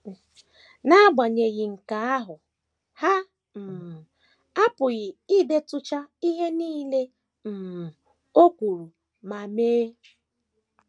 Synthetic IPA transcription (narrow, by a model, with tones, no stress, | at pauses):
na˦a˦ɡ͡ba˨ɲe˨ɣɪ˨ŋ̩˨ka˨a˦ɦʊ˨ | ha˦ | m̩˨ | a˦pʊ˨ɣɪ˨i˦be˦tʊ˦t͡ʃa˦i˦ɦe˦niː˦le˦ | m̩˨ | o˦kʷu˨ɾu˨ | ma˨meː˦